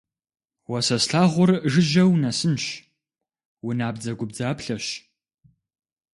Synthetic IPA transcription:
wɐsɐsɬaːʁʷʊrʒɨʒɐwnɐsɨnʃ | wʊnaːbd͡zɐɡʷʊb̚d͡zaːpɬɐɕ

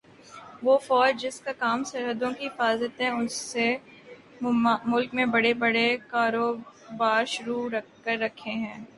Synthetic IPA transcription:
ʋoːfɔːd͡ʒd͡ʒɪskakaːmsɐɾɦəd̪õkifaːzət̪ɦɛ̃ʊse | mʊlkmẽbɐɽebɐɽekaːɾoːbaːɾʃʊɾuːɾɐ | əɾːɐkʰːeɦɛ̃ː

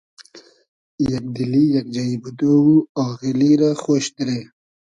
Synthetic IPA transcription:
jak̚d̪ilijak̚d͡ʒaibut̪owuaɣeliɾaxoːʃd̪ɾe

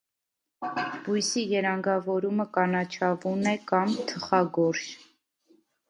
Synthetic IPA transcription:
bujsijɛɾɑŋɡɑvɔɾuməkɑnɑt͡ʃʰɑvunɛkɑmt̪ʰəχɑɡɔɾʃ

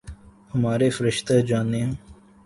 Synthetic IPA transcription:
həmaːɾeːfəɾɪʃt̪ed͡ʒaːnẽː

